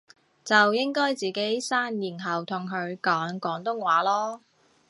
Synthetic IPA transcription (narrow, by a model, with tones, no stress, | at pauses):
t͡sɐ˨wjɪ˥ŋkɔː˥jt͡siː˨˩ke˨˥jsaː˥njiː˨˩nɦɐ˨wt̪ʰʊ˨˩ŋkʰɵ˨˧ɥkɔː˨˥ŋkɔː˨˥ŋt̪ʊ˥ŋwaː˨˥lɔː˥